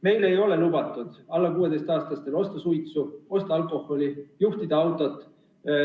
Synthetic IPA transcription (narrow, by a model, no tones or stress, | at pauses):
me̞jle̞jo̞le̞lub̥ɑt̪ːˑud̪̥ɑlːɑkuːe̞d̪e̞jst̪ɑːst̪ɑst̪e̞lo̞st̪ɑsujt̪suo̞st̪ɑɑlkˑo̞ho̞lʲijuht̪id̪̥ɑɑwt̪ˑo̞t̪ːˑ